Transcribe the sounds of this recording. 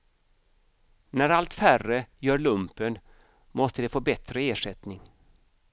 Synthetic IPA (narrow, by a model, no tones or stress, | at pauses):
næɾalt̪færəjœːɭɵmpən | mɔst̪əd̪ɛfoːbɛt̪ɾəeːʂɛt̪nɪŋ